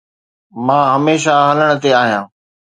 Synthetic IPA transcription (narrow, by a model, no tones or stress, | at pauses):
mãːɦɐmeːʃaɦɐləɽ̃ʊ̆t̪eaːɦijãː